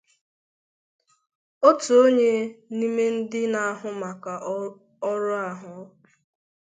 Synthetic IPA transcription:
o˦tu˨o˦ɲe˦ni˦me˦n̩˦dɪ˦na˨a˦ɦʊ˨ma˨ka˨ | ɔ˦ɾʊ˦a˨ɦʊ˨˦

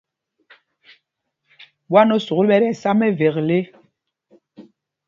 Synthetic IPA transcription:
ɓwa˦nɔ˦su˨ɣlɓɛ˦ɾɛ˦˨sa˦mɛ˦ve˨ɣle˦

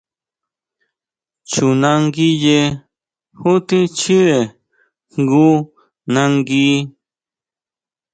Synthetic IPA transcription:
t͡ʃu˨na˦ŋɡi˦je˦ | hu˦t̪i˦t͡ʃi˦ɾe˨ | ŋɡu˦ | na˦ŋɡi˦

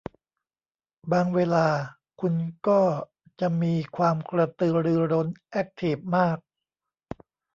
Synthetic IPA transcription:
baː˧ŋweː˧laː˧ | kʰu˧nkɔː˥˩ | t͡ɕa˨˩ʔmiː˧kʰwaː˧mkɾa˧t̪ɯː˧˩ɾɯː˧ɾo˦˥nʔɛ˦˥k̚t̪ʰiː˩p̚maː˥˩k̚

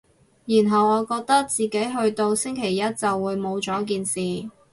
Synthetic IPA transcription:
ji˨˩nɦɐ˨wɔː˨˧kɔː˧k̚t̪ɐ˥k̚t͡siː˨ke˨˥jɦɵ˧ɥt̪o˧wsɪ˥ŋkʰe˨˩jːɐ˥t̚t͡sɐ˨wːuː˨˧jmo˨˧wt͡sɔː˨˥k̬iː˨˧nsiː˨

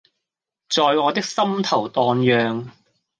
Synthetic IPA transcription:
t͡sɔː˨jŋɔː˨˧t̪ɪ˥k̚sɐ˥mt̪ʰɐ˨˩wt̪ɔː˨˧njœː˨˧ŋ

